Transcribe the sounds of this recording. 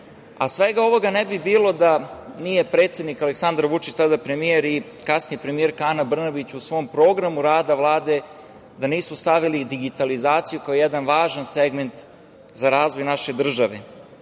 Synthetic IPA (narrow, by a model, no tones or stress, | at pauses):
a̰sʋe̞ɡao̞ʋo̞ɡanebibiːlˠo̞d̪anije̞pɾe̞ːt̪sje̞d̪nikaleksand̪aɾʋut͡ʃit͡ɕt̪ad̪apɾemijeɾi | kasnijepɾemijeɾkaanabr̩nabit͡ɕusʋo̞mpɾo̞ːɡɾamuɾaːd̪aʋlˠaːd̪e̞ | d̪aniːsust̪aʋilid̪iɡit̪alizaːt̪sijukaojɛd̪anʋaːʒanseɡme̞nt̪ | zaɾaːzʋo̞jnaʃe̞d̪r̩ʒaʋḛ